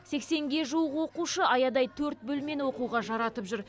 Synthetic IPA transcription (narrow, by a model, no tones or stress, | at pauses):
se̞kse̞ŋɡʲe̞ʒuwəqwo̞quʃəɑjɑd̪ɑjt̪ʰɵɾt̪̚bɵlme̞nwo̞quʁɑʒɑɾɑt̪əpʒʏɾ